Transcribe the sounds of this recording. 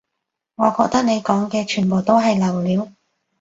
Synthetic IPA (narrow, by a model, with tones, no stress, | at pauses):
ŋɔː˨˧kɔː˧k̚t̪ɐ˥k̚ne˨˧jkɔː˨˥ŋkɛː˧t͡ʃʰyː˨˩npo˨wt̪o˥wɦɐ˨jlɐ˨˩wliː˨˧˥w